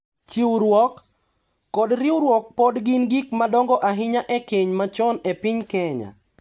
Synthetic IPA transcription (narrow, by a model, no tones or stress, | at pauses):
t͡ʃiuɾwɔkː | ɔdɾɪuɾwɔk̚pɔdɡɪnɡikmadɔŋɡɔʔaɦɪɲaʔɛkeɲmat͡ʃɔnɛpɪɲkɛɲa̰